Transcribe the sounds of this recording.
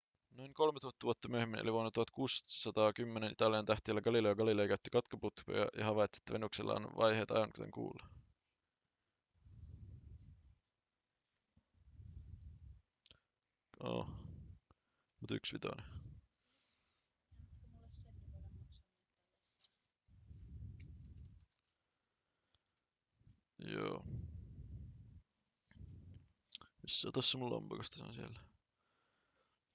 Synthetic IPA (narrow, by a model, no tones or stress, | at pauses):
nojŋko̞lmet̪uhɑt̪ːɑʋuot̪ːɑmyøhemːinʔliʋonːɑt̪uhɑt̪kuːssɑt̪ɑːkymːenenʔit̪ɑliɑnt̪æht̪iælːæɡ̥ɑlilojɑɡɑlilojkæyt̪ːikɑt̪kɑput̪ko̰jɑ̰jɑ̰hɑʋɑjt̪si̥e̥t̪ːæʋenuksḛlːʔɑ̰ːnʋɑ̰jheːt̪ɑ̰jʋɑŋkut̪eŋkṵːlːɑ | o̰ː | mut̪yksʋit̪ɑne | joː | misːɑt̪ɑsːɑmulːɑ̰mb̥ɑkɑst̪ɑ̥sɑ̰nsiḛl